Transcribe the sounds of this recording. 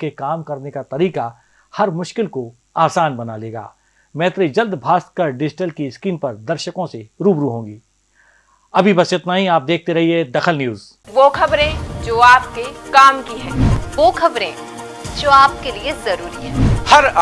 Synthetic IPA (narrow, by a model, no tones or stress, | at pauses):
kekaːmkɐɾnekat̪ɐɾiːka | hɐɾmʊʃkɪlko | aːsaːnbɐnaleːɡa̰ː | mɛːt̪ɾid͡ʒɐld̪bʱaːst̪̚kəɾɖɪd͡ʒɪʈəlkiskiːnpɐɾd̪ɐɾʃəkõseɾuːbɾuɦõːŋɡiː | ɐbʱibɐsɪt̪naːɦĩaːp̚d̪eːk̚ʰt̪eɾɐɦied̪ɐxəlnjuːz | ʋoːkʰɐbɾẽd͡ʒoːaːp̚kekaːmkiɦɛ̃ːʋoːkɐbɾẽːd͡ʒoːaːp̚keliezɐɾuːɾiɦɛ̃ːhɐɾ